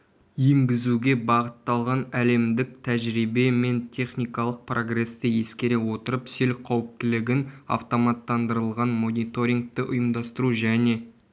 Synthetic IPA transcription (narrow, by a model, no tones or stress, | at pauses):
je̞ŋɡʲɪzuɡʲe̞bɑʁət̪ːɑlˠʁɑnæle̞md̪ɪk̚t̪ʰæʒɾibe̞me̞nt̪ʲʰe̞χnʲijkɑlˠəq̚prʔo̞ɡre̞st̪əje̞skʲe̞ɾe̞wo̞t̪əɾəpselqʰɑwəp̚t̪ɪlɪɡʲɪnɑ̰ft̪o̞mɑt̪ːɑnd̪əɾəlˠʁɑnmo̞nijt̪o̞ɾʲiŋk̚t̪əʔʊjəmd̪ɑst̪əɾuʒæne̞